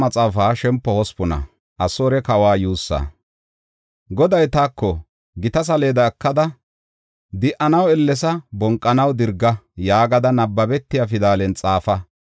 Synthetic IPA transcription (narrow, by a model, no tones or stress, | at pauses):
mɐt͡sʼaːfaːʃɛmpːɔhɔspʊnɐ̰ | ʔɐsoːɾɛkɐwaːjuːsːɐ̰ | ɡɔd̪ɐjt̪aːkːɔ | ɡɪt̪ɐs̬ɐle̞ːd̪ɐːkːɐd̪ɐ | d̪ɪʔɐnɐwɛlːɛs̬ɐbɔŋkʼːɐnɐwd̪ɪɾɡːɐjaːɡɐd̪ɐnɐbːɐbɛt̪ːɪjafɪd̪aːlɛnt͡sʼaːfɐ